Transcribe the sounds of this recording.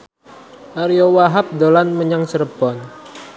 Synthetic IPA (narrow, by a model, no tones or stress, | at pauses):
ʔaɾijowaɦap̚dolanməɲaŋsəɾəb̥ɔn